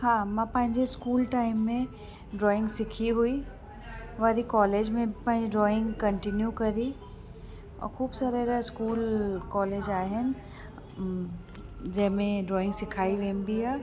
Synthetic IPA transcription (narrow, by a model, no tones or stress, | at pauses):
hãːmãːpɐ̃ɦɪ̃ɲd͡ʑeskuːlʈaːɪmːẽ | ɖɾɔːɪ̃ŋɡsɪkʰiɦui | ʋaɾikɔːleːd͡ʑmẽpɐ̃ɦɪ̃ɲd͡ʑeɖɾɔːɪ̃ŋɡkɐɳʈɪnjukɐɾi | ɔ̰ːɾxuːbsaɾeɾɪskuːlkɔːleːd͡ʑaːɦɪnɪ̆ | d͡ʑɐɦmẽɖɾɔːɪ̃ŋɡsɪkʰaːiʋẽːmbiɦaː